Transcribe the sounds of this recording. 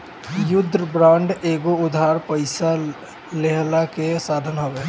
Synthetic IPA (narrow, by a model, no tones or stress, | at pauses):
jʊd̪ʱːɾəbɾãːɳɖeːɡoʊd̪ʱaɾpəɪsa | leɦlakesaːd̪ʱənɦobe